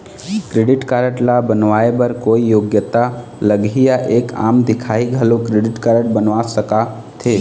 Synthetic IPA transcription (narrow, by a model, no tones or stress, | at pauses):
kɾeːɖɪʈkaːɾəʈlabənʋaːebəɾkoːijoːɡjət̪a | ləɡijaʔeːka̰ːmd̪ɪkʰaːiɡʱɐlokɾeːɖɪʈkaːɾəʈ̚bənʋaːsəka | t̪ʰeː